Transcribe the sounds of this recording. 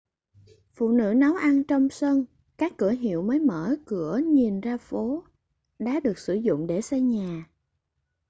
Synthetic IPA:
fṵ˧˨nɨ̰˧˥na˨˦wʔa˧nt͡ɕɔ˧wŋ͡msə˧n | kaː˦˥kːɨ˧˩əɦḭ˧˨əwməː˨˦jməː˧˩kɨ˧˩əɲi˨˩nzaː˧fo˨˦ | ɗa̰ː˧˨˥ɗɨ˨˩ək̚sɨ˧˩zʊ̰˧˨ŋ͡mɗe˧˩sa˧jɲaː˨˩

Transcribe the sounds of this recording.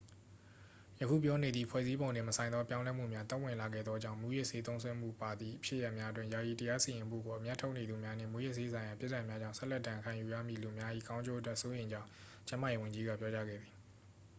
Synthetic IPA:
jə˨kʰṵ˦˨pjɔ˦ne˨d̪ði˦˨pʰwɛ̰˦˨zi˦bõ˨ʊ̃ndɪ̃˨məsʰã˨ɪ̃nðɔ˦pjã˦ʊ̃lɛ˦m̥ṵ˦˨mja˦t̪ɛ˦ʔwɪ̃˨la˨ɡɛ̰˦˨d̪ðɔ˦d͡ʑã˦˨ʊ̃mu˨˦˨jɪ˦ʔse˦t̪õ˦ʊ̃sʰwɛ˦˨m̥ṵ˦˨pa˨d̪ði˨ʔəpʰjɪḛ˦˨ja˦ʔmja˦ʔətwɪ̃˦˨ja˨ji˨təja˦si˨jɪ̃˨mṵ˦˨ɡo˨ʔə˨mja˦tʰo˦ʊʔne˨d̪u˨mja˦n̥ɪ̰̃˦˨mu˦˨jɪ˦ʔse˦sʰã˨ɪ̃ja˨pjɪ˦ʔtːã˨mja˦d͡ʑã˦˨ʊ̃sʰɛ˦lɛ˦ʔdã˨kʰã˨ju˨ja̰˦˨mḭ˦˨lu˨ə˨mja˦ʔḭ˦˨ɡã˦ʊ̃ɲd͡ʑo˦˨ətwɛ˦˨ʔso˦jẽ˨ɪ̃ɲd͡ʑã˦ʊ̃ | t͡ɕã˦ma˨je˦wɪ̃˨ɲd͡ʑi˦ɡa̰˦˨pjɔ˦t͡ɕa˦ɡɛ̰˦˨d̪ði˨

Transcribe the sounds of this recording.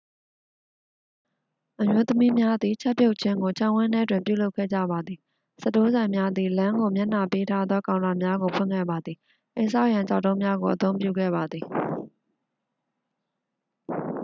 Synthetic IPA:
ʔəmjo˦t̪əmi˦mja˦d̪ði˨t͡ɕʰa˦pjo˦ʊʔt͡ɕʰɪ̃˦ŋɡo˨t͡ɕʰã˦˨ʔwɪ̃˦nɛ˦˨t̬wɪ̃˨mpjṵ˦˨lo˦ʊkʰːɛ̰˦˨d͡ʑä̰˦˨ba˨d̪ði˨ | sə˦˨to˦zã˨ɪ̃mja˦d̪i˨lã˦ŋɡo˨mja˦ʔna˨pe˦tʰa˦d̪ðɔ˦kã˨ʊ̃na˨mja˦ɡo˨pʰwʊɪ̰̃˦˨kʰɛ̰˦˨ba˨d̪ði˨ | ʔẽ˨sʰa˦ʊʔjã˨ɲt͡ɕa̰˦ʊtːõ˦ʊ̃mja˦ɡo˨ʔət̪õ˦ʊ̃mpjṵ˦˨ɡɛ̰˦˨ba˨d̪ði˨

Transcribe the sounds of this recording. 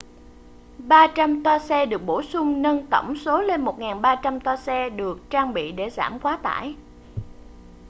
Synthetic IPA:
ɓaː˧t͡ɕa˧mt̪a˧sɛ˧ɗɨ˨˩ək̚ɓo˧˩sʊ˧ŋ͡mnə˧nt̪ə˧˩wŋ͡mso˨˦le˧nmo˨˩t̚ŋaː˨˩nɓaː˧t͡ɕa˧mt̪ɔ˧sɛ˧ɗɨ˨˩ək̚t͡ɕaː˧ŋɓḭ˧˨ɗe˧˩za̰ː˧˩mkwaː˨˦t̪a̰ː˧˩˨j

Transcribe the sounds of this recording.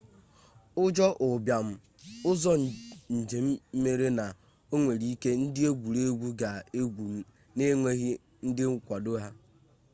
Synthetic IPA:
ʊ˦d͡ʒɔ˦ʔʊ˨bja˨m̩˦ | ʊ˦zɔ˦˨n̩˨d͡ʒe˨m̩˦me˦ɾe˦na˨ | o˦ŋʷe˨ɾi˦ke˦n̩˦dɪ˦e˦ɡʷu˨ɾe˦ɡʷu˦ɡa˨e˦ɡʷu˨m̩˦ | ne˦ŋʷe˦ɣɪ˦ | n̩˦dɪ˦ŋ̩˦kʷa˨do˦ɦa˦

